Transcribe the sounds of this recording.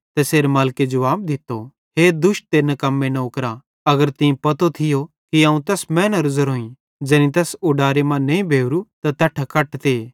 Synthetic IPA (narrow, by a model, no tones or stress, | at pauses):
t̪ɛseːɾmaːlked͡ʒʊʋaːb̚d̪ɪt̪ːo | ɦeːd̪ʊʃʈ̚t̪eːnɐkɐmːenɐʊkɾa | ɐɡəɾt̪ɪ̃pɐt̪ot̪ʰɪjo | kiaːũt̪ɛsmɛ̃ːnɐ̃ɾʊzəɾɦoːĩ | d͡ʒɐnĩt̪ɛsʊɖaːɾemãnɐ̃ĩbʱeːʋɾut̪at̪ɐʈʰakɐʈt̪eː